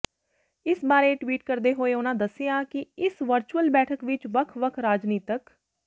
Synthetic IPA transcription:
ɪsbaːɾeːʈʋiːʈkəɾd̪eːɦoːeːʊnãːd̪əsːɪjãːkɪɪsʋəɾt͡ʃuəlbɛːʈʰəkʋɪt͡ʃʋəkʰʋəkʰɾaːd͡ʒniːt̪ək

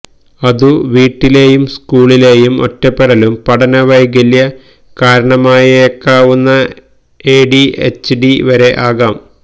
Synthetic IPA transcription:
ɐðuʋiːʈːile̞ːjumskuːɭile̞ːjumo̞̰tːɐpːeɽɐlumpɐɽɐnɐʋɐjɡɐljɐ | kaːɾɐɳɐmaːjekːaːʋunːɐ | eːɖiḛt͡ɕːɖiʋɐɾe̞ʔaːɣaːm

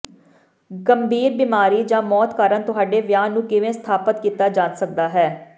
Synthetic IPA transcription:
ɡəmbʱiːɾbimaːɾiːd͡ʒãːmɔːt̪kaːɾənt̪ʊɦaːɖeːʋjaːnːũːkɪʋẽːst̪ʰaːpət̪kiːt̪aːd͡ʒaːnsək̚d̪aːɦɛː

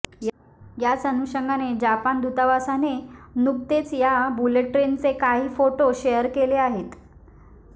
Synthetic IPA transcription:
j | jat͡sənuɕəŋɡaned͡ʑapand̪ʱut̪aʋasanenukt̪et͡sjabuleʈɾent͡sekaɦiːfoʈoɕejəɾkeleaɦet̪

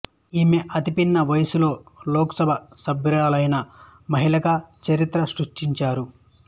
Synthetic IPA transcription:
iːmeʔɐt̪ipinːɐʋɐjɐsulo̞ːloːkɐ̥sɐbʱɐsɐbɾaːlɐjnɐ | mɐɦilɐɡɐt͡ʃɐɾit̪ɾɐsɾuʂʈiɲt͡ʃaːɾu

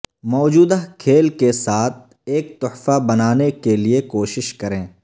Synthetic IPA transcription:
mɔːd͡ʒuːd̪akʰeːlkesaːt̪̚ʰ | eːk̚t̪ʊħfabɐnaːnekeliekoːʃɪʃkɐɾẽː

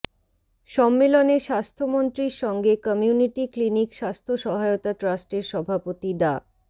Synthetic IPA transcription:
ʃɔmːeloneʃast̪ʰomont̪ɾiɾʃɔŋɡekɔmijuniʈiklinikʃast̪ʰoʃɔɦaeot̪aʈɾasʈeɾʃɔbʱapot̪iɖa

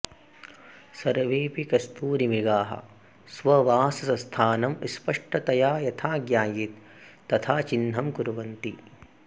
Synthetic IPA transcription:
sɐɾʋeːpikɐst̪uːɾimiɡaːɦɐ̰ | sʋɐʋaːsɐsɐst̪ʰaːnɐmispɐʂʈɐt̪ɐjaːjɐt̪ʰaːɡjaːjit̪ː | ɐt̪ʰaːt͡ʃinɦɐmkuɾʋɐnt̪i

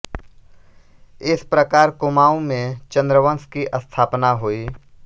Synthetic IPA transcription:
ɪspɾəkaːɾkʊmaːũmẽt͡ʃə̃nd̪ɾəʋə̃nskiʔəst̪ʰaːpnaɦoːiː

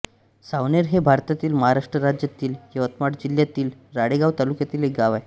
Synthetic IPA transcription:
saʋneɾɦebʱaɾt̪at̪iːlməɦaɾaʂʈɾəɾad͡ʑjat̪iːljeʋət̪maʈd͡ʑiljat̪iːlɾaɽeɡaʋt̪alukjat̪iːlek̚ɡaʋaj

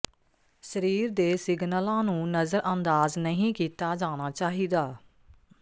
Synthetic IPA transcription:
səɾiːɾd̪eːsɪɡnəlãːnũːnəzəɾʔənd̪aːznəɦĩːkiːt̪aːd͡ʒaːñaːt͡ʃaːɦiːd̪aː

